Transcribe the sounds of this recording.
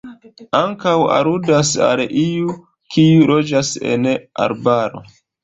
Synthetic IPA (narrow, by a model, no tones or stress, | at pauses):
aŋkawa̰ɾudasa̰lʔiju | kʰiulo̞d͡ʒase̞̰na̰ɾbaɾo̞̰